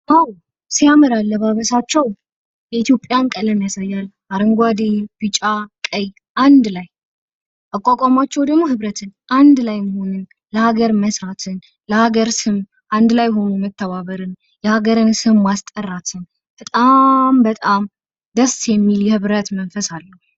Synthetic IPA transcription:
ʔaw | sijamɨɾalːəβaβəsat͡ʃːɛw | jɛit̪jo̞pʼjankʼələmjasajːal | aɾɨŋɡʷad̪ib̥ɨt͡ʃʼakʼəj | ʔand̪laj | ʔakʷʼːakʼamat͡ʃːɛwd̪əɡmo̞hɨβɾət̪ʰɨnʔand̪lajməho̞nɨn | ləhaɡəɾməsɾat̪ʰɨn | ləhaɡəɾsɨm | ʔand̪lajhonumət̪ʰːəβaβəɾɨn | jɛhaɡəɾɨnsɨmːast̪ʼərːat̪ʰɨn | b̥ət̪ʼambət̪ʼam | d̪əsːjɛmːiljɛhɨβɾət̪mənfəsalːə

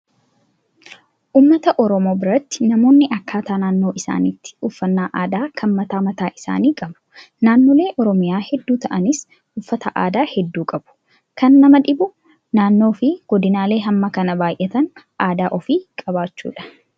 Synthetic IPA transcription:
ʔuːmːɐt̪ɐʔɔɾɔmo̞ːbɪɾɐt̪ːɪ̥nɐmo̞ːnːɪʔɐkːaːt̪aːnaːnːo̞ːʔɪsa̰ːniːt̪ːɪ̥ʊfːɐnːaːʔaːd̪aːkʰɐnmɐt̪aːmɐt̪aːʔɪsa̰ːniːkʼɐbʊ̥ | naːnːoːle̞ːʔɔɾɔmɪjaːhɛd̪ːuːt̪ɐʔɐnɪs | ʊfːɐt̪ɐʔaːd̪aːhɛd̪ːuːkʼɐbʊ̥ | kɐnːɐmɐᶑɪbʊ | naːnːo̞ːfɪɡ̥ɔd̪ɪnaːle̞ːɦɐmːɐkɐnɐbaːjʔɛt̪ɐn | ʔaːd̪aːʔɔfiːkʼɐbaːt͡ʃːṵːᶑɐ̥

